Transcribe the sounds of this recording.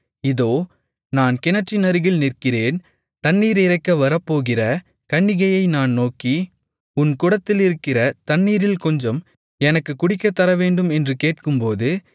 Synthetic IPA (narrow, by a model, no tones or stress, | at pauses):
ɪðoː | naːnkɪnɐʈt͡ʃinɐɾɯɣɪlnɪrkɪreːn | t̪ɐɳːiːɾɪrɐɪkːɐʋɐɾɐpːoːɣɪrɐ | kɐɳːɪɣɐjɐɪnaːnnoːki | ʊnkʊɽɐt̪ːɪlɪɾɯkːɪrɐt̪ɐɳːiːɾɪlkɔɲd͡ʒɐm | ɛnɐkːɯkːʊɽɪkːɐt̪ːɐɾɐʋeːɳɖɯmɛndrɯkeːʈkɯmpoːðɯ